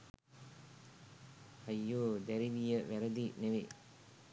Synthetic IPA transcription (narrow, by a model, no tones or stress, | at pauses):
hɐjːoːd̪æɾiʋijəʋæɾəd̪ineʋe